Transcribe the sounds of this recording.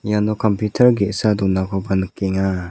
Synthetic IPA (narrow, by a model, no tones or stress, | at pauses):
ijanɔkɔmpjutʰəɾɡeʔsad̪ɔnakʰɔbankeŋa